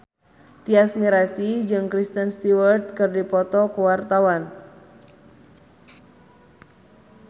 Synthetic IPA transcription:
t̪iasmiɾasid͡ʒɨŋkɾist̪ənst̪iwərt̪̚kɨrdipɔt̪ɔkuwart̪awan

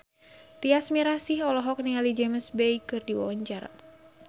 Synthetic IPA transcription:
t̪iasmiɾasihɔlɔɦɔk̚nialid͡ʒɛməsbɛjkɨrdiwawaɲt͡ʃar

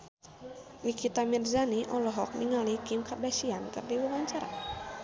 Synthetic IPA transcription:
nikit̪amirzaniʔɔlɔɦɔk̚niŋalikimkardaʃiankɨrdiwawaɲt͡ʃaɾa̰

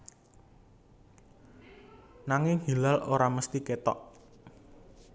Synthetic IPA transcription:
naŋɪŋhilalʔoɾaməst̪iket̪ɔ̰ʔ

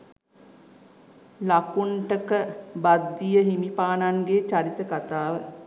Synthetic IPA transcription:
lakuɳʈəkəbad̪ːijəɦimipaːnaŋɡet͡ʃaɾit̪əkat̪aːʋə

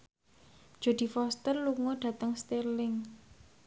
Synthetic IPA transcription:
d̥ʒ̥o̤d̪̥i̤fɔst̪ərluŋoɖ̥ä̤t̪əŋst̪elɪŋ

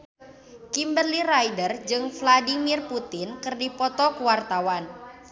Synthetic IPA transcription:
kimbərlirajdərd͡ʒɨŋfladimirput̪ɪnkɨrdipɔt̪ɔkuwart̪awan

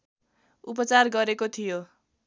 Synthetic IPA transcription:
up̬ʌt͡sarɡʌɾekot̪ʰijo

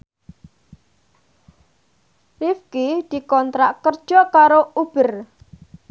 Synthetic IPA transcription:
rifkid̪̥i̤kɔnt̪ɾaʔkərd̥ʒ̥ɔkaɾoub̥ər

